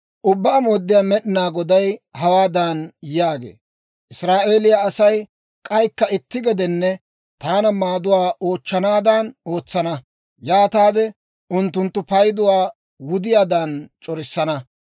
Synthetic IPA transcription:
ʔʊbːaːmoːd̪ːɪjaːmɛɗɪnaːɡɔd̪ɐjhɐwaːd̪ɐnjaːɡḛː | ʔɪsɾaːʔe̞ːlɪjaːsɐj | kʼɐjkːɐɪt̪ːɪɡɛd̪ɛnːɛ | t̪aːnɐmaːd̪ʊwaːʔo̞ːt͡ʃːɐnaːd̪ano̞ːt͡sːɐnɐ | jaːt̪aːd̪ɛ | ʔʊnt̪ːʊnt̪ːʊpɐjd̪ʊwaː | wʊd̪ɪjaːd̪ant͡ʃʼɔɾɪsːɐnɐ

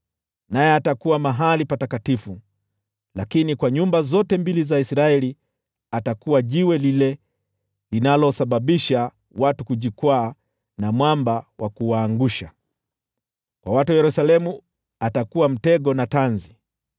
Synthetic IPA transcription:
najɛatakuwamaɦalipatatkatifu | lakinikwaɲumbazɔtɛmbilizaisɾaɛli | atakuwaʄiwɛlilɛ | linalɔsaɓaɓiʃa | watukuʄikwaː | namwambawʔakuwaːŋɡuʃa | kwawatujɛɾusalɛmu | atakuwam̩tɛɡɔnatanzi

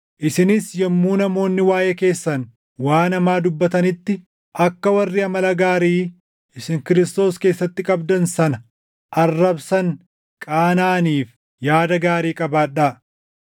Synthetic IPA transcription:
ʔɪsɪnɪsjɐmːuːnɐmo̞ːnːɪwaːjeke̞ːsːɐn | waːnɐmaːd̪ʊbːɐt̪ɐnɪt̪ːɪ | ʔɐkːɐwɐrːɪɐmɐlɐɡaːɾiː | ʔɪsɪŋkɪɾɪst̪o̞ːske̞ːsːɐt̪ːɪkʼɐbd̪ɐnsɐnɐ | ʔɐrːɐbsɐŋ | kʼaːnaːniːf | jaːd̪ɐɡaːɾiːkʼɐbaːᶑaː

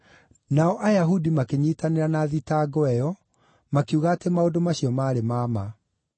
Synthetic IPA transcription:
naɔʔajaɦudimakeɲiːtaneɾanaðitaɡɔɛjɔ | makeuɣaːtemaodomaɕiɔmaːɾemaːma

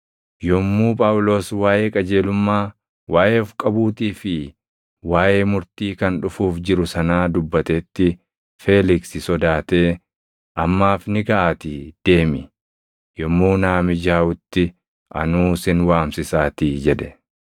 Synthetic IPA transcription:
jɔmːuːpʼɐwʊlo̞ːswaːʔeːkʼɐd͡ʒe̞ːlʊmːaː | wʔaːʔeːɔfkʼɐbuːt̪iːfɪ | waːʔeːmʊɾt̪iːkɐnᶑʊfuːfd͡ʒɪɾʊsɐnaːd̪ʊbːɐt̪eːt̪ːɪ | feːlɪksɪsɔd̪aːt̪e̞ː | ʔɐmːaːfnɪɡɐʔaːt̪iːd̪̥e̞ːmɪ | jɔmːuːnaːmɪd͡ʒaːwʊt̪ːɪ | ʔɐ̰nuːsɪnwaːmsɪsaːt̪iːd͡ʒɛᶑɛ̥

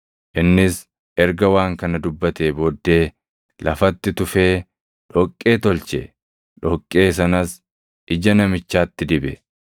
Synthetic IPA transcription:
ʔɪnːɪs | ʔɛɾɡɐwaːŋkɐnɐd̪ʊbːɐt̪e̞ːboːd̪ːe̞ː | lɐfɐt̪ːɪt̪ʊfe̞ː | ᶑɔkʼːe̞ːt̪ɔlt͡ʃɛ̰ | ᶑɔkʼːe̞ːs̬ɐnɐs | ʔɪd͡ʒɐnɐmɪt͡ʃːaːt̪ːɪd̪ɪbɛ

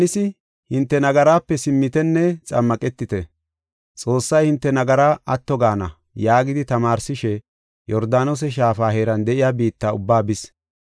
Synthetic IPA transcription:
nɪsɪ | hɪnt̪ːɛnɐɡɐɾaːpːɛsɪmːɪt̪ɛnːɛt͡sʼɐ̰mːɐkʼɛt̪ːɪt̪ɛ | t͡sʼo̞ːsːɐjhɪnt̪ːɛnɐɡɐɾaːʔɐt̪ːɔɡaːnɐ̰ | jaːɡɪd̪ɪt̪ɐmaːɾsɪʃɛ | jɔɾd̪aːnos̬ɛʃ̬aːfaːɦeːɾɐnd̪ɛʔɪjaːbiːt̪ːaʊbːaːbɪs

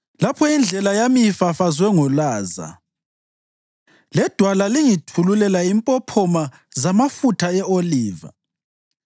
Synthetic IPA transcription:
lapʰɔind͡ɮʱɛlajamijifafazwɛŋɔlaːza̰ | lɛd̥ʱwalaliŋitʰululɛlaimpʼɔpʰɔma | zamafutʰaɛoliːva̰

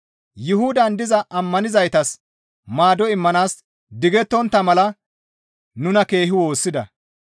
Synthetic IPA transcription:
jɪhʊd̪ɐnd̪ɪzɐʔɐmːɐnɪzɐjt̪ɐs | maːd̪ɔɪmːɐnaːs | d̪ɪɡɛt̪ːɔnt̪ːɐmɐlɐ | nʊnɐke̞ːɦɪwo̞ːsːɪd̪ɐ̰

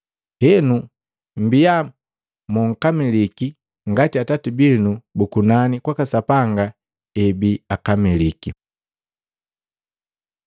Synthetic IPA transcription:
hɛnu | m̩bija | muŋ̩kamiliki | ŋɡatiatatibinubukunanikwakasapaŋɡa | ɛbiakamiliki

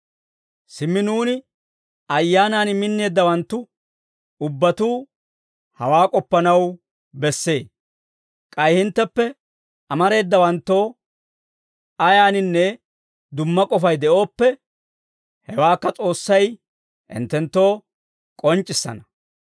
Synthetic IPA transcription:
sɪmːɪnuːnɪ | ɐjːaːnaːnmɪnːe̞ːd̪ːɐwɐnt̪ːʊ | ʊbːɐt̪uː | hɐ̰waːkʼɔpːɐnɐw | bɛsːe̞ː | kʼɐjhɪnt̪ːɛpːɛ | ɐmɐɾe̞ːd̪ːɐwɐnt̪ːo̞ː | ɐjaːnɪnːɛ | d̪ʊmːɐkʼɔfɐjd̪ɛʔo̞ːpːɛ | hɛwaːkːɐt͡sʼo̞ːsːɐj | ɪ̰nt̪ːɛnt̪ːo̞ː | kʼɔnt͡ʃʼːɪsːɐ̰nɐ

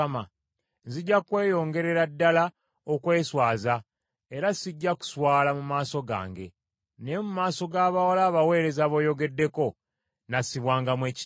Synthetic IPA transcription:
ama | ziɟːakwe̞ːjo̞ːŋɡe̞ɾe̞ɾadːala | okwe̞ːswaːza | eɾasiɟːaku̥swaːlamumaːso̞ɡa̰ːŋɡe̞̰ | ne̞mumaːso̞ɡaːβawalaːβawe̞ːɾe̞zaβo̞ːjo̞ɡe̞dːe̞ko̞ | nasiβwaːŋɡamwe̞ːci

